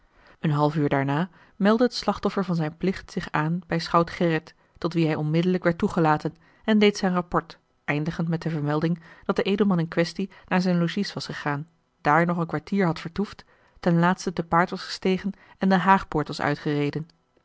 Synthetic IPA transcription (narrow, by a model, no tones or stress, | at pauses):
ənɦɑlˠfyːɹdaːɹnaː | mɛlˠdəɦətslɑχtɔfəɹvɑnzɛjnplɪχtsɪχaːnbɛjsχɑwtχɛrətː | ɔtʋiɦɛjɔnmɪdələkʋɛɹtːuχəlaːtən | ɛndejtsɛjnrɑpɔɹt | ʔɛjndəχəntmɛt̚dəvəɹmɛlˠdɪŋd̥ɑt̚dəʔejdəl̩ˠmɑnənkʋɛstinaːɹzɛjnloʒisʋɑsχəχaːn | d̥aːɹnɔχənkʋaɹtiːɹɦɑtfəɹtuftː | ɛnlaːtstədəpaːɹtʋɑsχə̥stejχən | ɛndəɦaːχpʊːɹtʋɑsœ̰ɥtχərejdən